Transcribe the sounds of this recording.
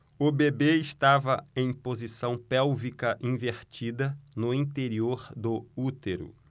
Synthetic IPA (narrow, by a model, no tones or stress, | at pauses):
ʊbebeɪst̪avɐẽj̃pozisɐ̃w̃pɛwvikɐʔĩveɾt͡ʃid̪ɐnʊĩnt̪eɾioɾd̪ʊut̪eɾʊ̰